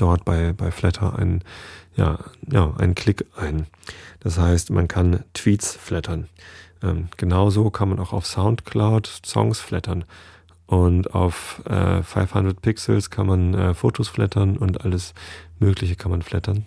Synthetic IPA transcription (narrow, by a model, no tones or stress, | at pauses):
d̥ɔɐtb̥aɪbaɪflɛtʰɐʔa̰ɪnja̰ːjaːʔa̰ɪnənkʰl̥ɪkʔaɪn | d̥ashaɪstmʔa̰nkʰantʰv̥iːtsflɛtʰɐnʔɛ̰ːmɡ̥ənaʊzoːkʰanmanʔaʊxaʊfsaʊntkʰlaʊtsɔ̰ŋsflɛtɐn | ʔʊntʔa̰ʊfʔɛ̰ːa̰ɪfhandʁət̚pʰɪksl̩skʰanmanʔɛːfoːtʰosflɛ̰tʰɐnʊntʔa̰ləsmøːklɪçəkʰanmanflɛtɐn